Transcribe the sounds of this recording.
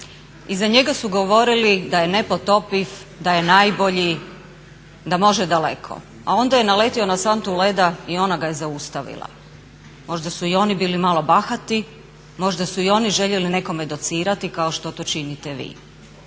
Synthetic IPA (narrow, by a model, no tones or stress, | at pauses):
izaɲe̞ɡasuɡo̞ʋo̞ɾilid̪aje̞nepo̞t̪o̞pifd̪aje̞naːjbo̞ʎi | d̪amo̞ʒed̪alekʰo̰ | a̰o̞nd̪aje̞nale̞t̪io̞nasant̪ule̞d̪aio̞naɡajezaust̪aʋḭlˠa̰ | mo̞ʒd̪asuio̞nibiːlimalˠo̞baxat̪i | mo̞ʒd̪asuio̞niʒe̞ʎe̞line̞ko̞med̪ot̪siːɾat̪ikaoʃt̪ot̪o̞t͡ʃinit̪eʋḭː